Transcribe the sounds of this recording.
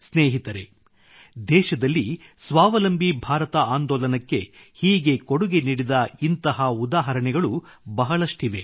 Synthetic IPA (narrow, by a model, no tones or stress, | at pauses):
sneːɦit̪ɐɾe̞̰ | d̪ɛːʃɐd̪ɐlːisʋaːʋɐlɐmbʱibʱaːɾɐt̪ɐaːnd̪ɔːlɐnɐkːe̞ | hiːɡe̞koɽuɡeniːɽid̪ɐint̪ɐɦɐud̪aːɦɐɾɐɳɛɡɐɭubɐɦɐɭɐʂʈiʋe̞